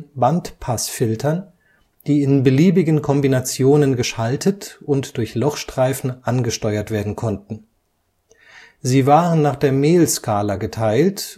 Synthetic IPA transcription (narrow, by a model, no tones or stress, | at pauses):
bantpʰasfɪltʰɐn | d̥iːɪnbəliːbɪɡənkʰɔmbinat͡sjoːnənɡəʃaltʰətʊntd̥ʊɐçlɔχʃtʁ̥aɪfn̩ʔanɡəʃtɔʏɐtv̥eːɐdn̩kʰɔntn̩ | ziːvaːʁənːaːχd̥eːɐmeːlskʰaːlaɡətʰaɪlt